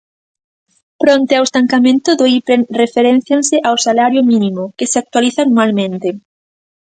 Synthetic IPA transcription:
pɾɔnt̪ɪawest̪aŋkamẽnt̪ʊðoipɾeŋrefeɾɛ̃n̟θjaŋsɪʔawsalaɾjʊminĩmʊkɪseak̚t̪waliθannualmẽnt̪ɪ

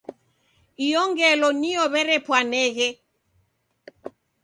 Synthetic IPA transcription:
iɔŋɡɛlɔniɔβɛɾɛpwanɛɣɛ

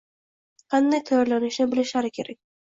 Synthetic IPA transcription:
qʰɑnd̪ajt̪ʰajɒɾlanɪʃnɪbɪlɪʃaɾɪkʲʰe̞ɾak̚ʲ

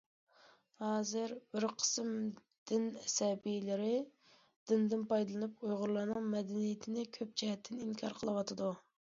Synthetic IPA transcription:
hɑːzɨɾb̥ɪɾqʰə̥sm | d̪̥ɪnɛsɛbijlɪɾɪ | d̪̥ɪnd̪ɪnpɑjd̪ɨlˠɨnɨp̚ujʁʊɾlˠɑɾnɨŋmɛd̪ɛnijɪt̪ʰɪnɪkʲʰøp̚d͡ʒɛɦɛt̪ʰːɪniŋkʰɑɾqʰəlˠɨwɑt̪ʰɨd̪u

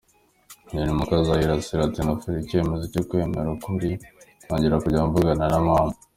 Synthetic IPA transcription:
ninimukazajiɾasiɾatinafiɾice̞ːme̞zocokwe̞ːme̞̰ɾakuɾitwaːɲɟiɾakuɟauɱvuɡananamaːma

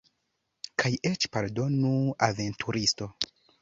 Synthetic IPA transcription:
kʰajet͡ʃpaɾdo̞nuaventʰuɾisto̞

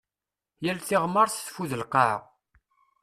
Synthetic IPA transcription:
jælθiʁməɾˤθθfuðəlqɑʕʁ

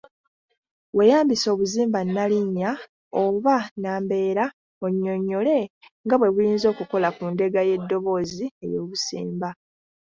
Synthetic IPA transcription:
we̞jaːmbiso̞ːβuziːmbanːaliɲːa | oβanaːmbe̞ːɾa | oɲːo̞ɲːo̞le̞ŋɡaβwe̞βujiːnzo̞ːkuko̞lakunde̞ɡaje̞dːo̞βo̞ːzie̞̰jo̞ːβusḭːmba

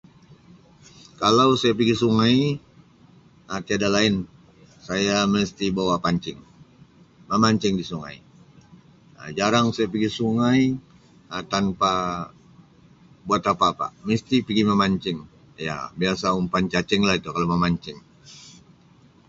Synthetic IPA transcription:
kalawsajap̬iɡisuŋaj | ət̪iadalaɪn | sajaməst̪ibawapaɲt͡ʃɪŋ | məmaɲt͡ʃɪŋdisuŋa̰j | ə̰d͡ʒaɾaŋsajap̬iɡisuŋaj | ət̪anpa | buat̪apaːpa̰mist̪ipiɡiməmaɲt͡ʃɪŋ | ja̰biasaumpant͡ʃat͡ʃɪŋlahit̪ukalawməmaɲt͡ʃɪŋ

